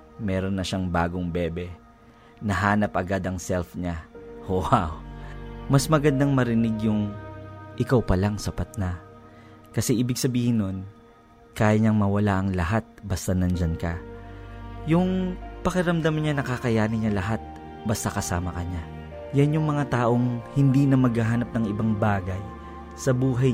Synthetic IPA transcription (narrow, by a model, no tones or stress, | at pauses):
mɛɾo̞nːɐʃaŋba̰ːɡoŋbɛːbɛ | nɐɦaːnɐpʔɐɡad̪ɐŋsɛlfɲahohaw | mɐsmɐɡɐd̪ɐŋmɐɾɪnɪɡjʊŋ | ʔɪkawpɐlaŋsɐpat̪̚nɐ | kɐsɛʔiːbɪɡsɐbiːhɪnːon | kaːjɐɲɐŋmɐwɐlaʔɐŋlɐɦat̪̚bɐst̪anɐnd͡ʒankɐ̰ | jʊŋpɐkɛɾɐmd̪amanɲanɐkakɐjaːnɪɲalɐɦat̪̚ | bɐst̪akɐsa̰ːmɐkɐɲa | janjʊŋmɐŋat̪aːʔo̞ŋhɪnd̪inɐmɐɡhaɦaːnɐp̚nɐŋɪbaŋbaːɡɐj | sɐbuːɦɐ